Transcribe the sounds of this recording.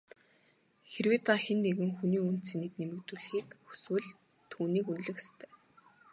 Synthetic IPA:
xerweːt̪axenːeɣɘ̆ŋxuniːun̥t̪t͡seniːknemɘ̆kt̪uːɮxiːkxu̥swɘ̆ɮ | t̪ʰuːniːkunɮɘ̆xe̥st̪ʰœ̥ː

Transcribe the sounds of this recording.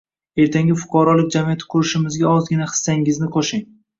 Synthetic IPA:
e̞ɾt̪ʰaŋɡʲɪfʊ̥qʰɑɾɒlˠɪk̚ʲd͡ʒamijat̪ʰɪ̥qʰʊɾɪʃɪmɪzɡʲaɒzɡʲɪnaχɨ̥sːaŋɪznɪqʰoʃɪŋ

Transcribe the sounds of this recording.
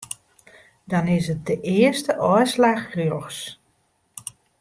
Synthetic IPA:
dɔnɪsət̚dəʔɪəstəʔɔslaxrjoxs

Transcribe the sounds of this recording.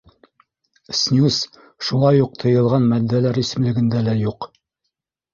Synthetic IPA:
snʲjus | ʃulˠɑjuq̚t̪ʰɤ̆jɤ̆lˠʁɑnmæd̪ːælæɾisɘ̆mlɘ̆ɡɘ̆nd̪ælæjuq

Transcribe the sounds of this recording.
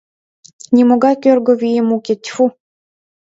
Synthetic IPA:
nʲimoɡakʲørɡovijemukʲet̪ʲfu

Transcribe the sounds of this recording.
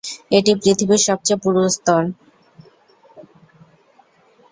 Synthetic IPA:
eʈipɾit̪ʰibiɾʃɔb̚t͡ɕepuɾost̪ɔɾ

